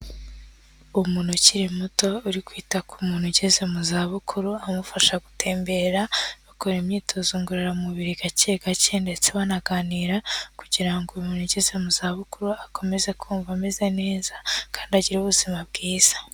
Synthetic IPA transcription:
umuːnhuciɾimuto̞uɾikwiːtakumuːn̥huɟeze̞muzaːβukʰuɾuamufaʃaɡutʰe̞ːmbe̞ɾaβakoɾemɲiːtʰo̞zuŋɡuɾaɾamuβiɾiɡaceɡacende̞t͡seβanaɡaːniːɾakuɟiɾaŋɡumuːnhuɟeze̞muzaːβukuɾuakʰo̞me̞ze̞kʰuːɱvameze̞ne̞ːzakʰaːndiaɟiɾuːβuzimab̚ɡiːz̥ḁ

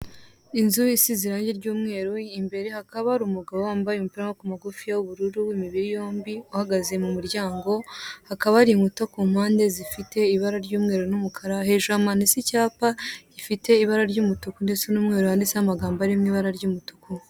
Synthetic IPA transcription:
inzuisiziɾaːɲɟe̞ɾɟuːmŋe̞ːɾuimbe̞ɾehakaβaɾumuɡaβoaːmbajumupiɾamakumaɡufijawuβuɾuɾuimiβiɾijoːmbiuhaɡaze̞mumuɾɟaːŋɡo̞hakaβaɾiŋutakuːmaːnde̞zifite̞iβaɾaɾɟuːmŋe̞ːɾunumukʰaɾaheʒamanisicaːpaɟ̥ifite̞iβaɾaɾɟumutukundet͡senuːmŋe̞ɾuhaːndisehamaɡaːmbaɾimŋiːβaɾaɾɟumutuku

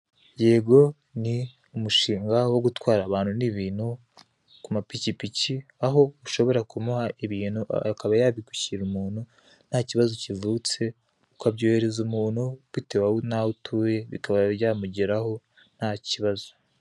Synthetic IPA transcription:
je̞ɡo̞ | ni | umuʃiːŋɡawo̞ɡutwaːɾaβaːn̥huniβiːn̥hu | kumapicipiciaɦo̞uʃo̞βo̞ɾakumuhaiβiːnhuʔakaβajaβiku̥çiɾumuːn̥hu | n̥haciβazocivuːt͡se̞ | ukabɟo̞ːhe̞ɾe̞zumuːnhuβitewaunautʰuːje̞βḭkaβaβjamuɟeɾaho̞ | n̥haciβazo̥

